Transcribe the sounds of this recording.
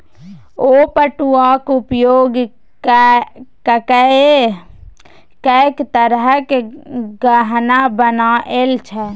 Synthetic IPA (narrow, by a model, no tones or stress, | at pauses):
opəʈuakʊpjoːɡ | kkəe | kəkt̪əɾəɦəkeɡəɦnabənaʔelt͡ʃʰɛ